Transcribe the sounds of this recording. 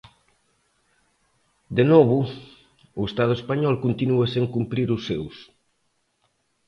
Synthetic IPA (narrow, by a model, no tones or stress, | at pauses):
d̪enɔβʊ | ʊest̪að̞ʊespaɲɔlkont̪inuɐseŋkumpɾiɾʊsːews